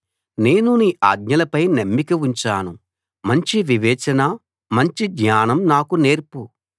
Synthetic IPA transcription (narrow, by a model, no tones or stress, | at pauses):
ne̞ːnuniːʔaːɡɲɐlɐpɐjnemːikɐuɲt͡ʃaːnu | mɐɲt͡ʃiʋiʋɛːt͡ʃɐnɐ | mɐɲt͡ʃiɡɲaːnɐmnaːkune̞ːɾpu